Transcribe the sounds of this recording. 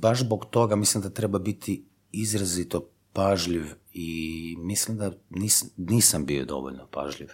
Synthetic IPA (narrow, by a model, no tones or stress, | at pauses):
baʒzboɡt̪o̞ɡamislimd̪at̪ɾebabit̪ʰi | izɾazit̪o | paʒʎiʋimislimd̪aniːsniːsambio̰d̪o̞̰ʋo̰ʎʲnopa̰ʒʎiʋ